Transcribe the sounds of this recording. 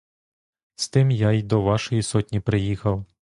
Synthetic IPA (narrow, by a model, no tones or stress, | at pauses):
st̪ɪmjaid̪ɔʋɑʃɔjisɔtʲnʲipɾɪjixɐw